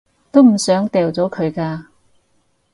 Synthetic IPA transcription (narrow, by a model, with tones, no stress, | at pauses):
t̪o˥wm̩˨˩sœː˨˥ŋt̪ɛː˨˩wt͡sɔː˨˥kʰɵ˨˧ɥkaː˧